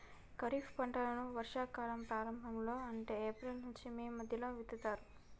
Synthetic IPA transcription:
kɐɾiːfʰpɐɳʈɐlɐnuʋɐɾʂaːkaːlɐmpɾaːɾɐmbʱɐmlo̞ːɐɳʈe̞ːeːpɾelnuɲt͡ʃimiːmɐd̪ʱjɐloːʋit̪ːit̪aːɾu

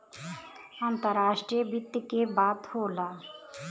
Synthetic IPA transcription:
ãːnt̪əɾaːʃʈɾiəbɪt̪ːjəkebaːt̪hoːlaː

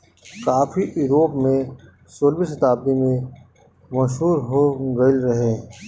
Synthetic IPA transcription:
kaːfʰiʔuːɾoːpmẽ | soːlbisət̪aːb̚d̪imẽ | mɐʃɦuːɾɦoɡɐilɾɐɦeː

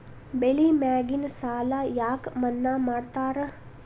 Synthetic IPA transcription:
beɭimaːɡinsaːlajaːkmɐnːamaːɽt̪aːɾə

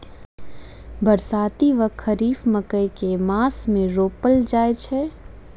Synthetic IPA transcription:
bəɾsaːt̪iʋəkʰːəɾiːfməkəjkemaːsmẽɾoːpəld͡ʒaːet͡ʃʰɛ

